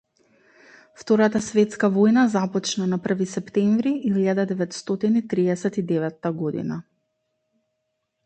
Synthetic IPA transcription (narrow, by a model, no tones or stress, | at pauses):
ft̪ɔɾat̪asvɛt̪skavojnazapɔt͡ʃnanapr̩visɛpt̪ɛɱvɾiʔilʎad̪ad̪ɛvɛt̪st̪ɔt̪init̪ɾiɛsɛt̪id̪ɛvɛt̪ːaɡod̪ḭna